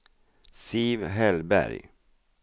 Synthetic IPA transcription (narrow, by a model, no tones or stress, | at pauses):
sivɦɛlbæ̰ɾj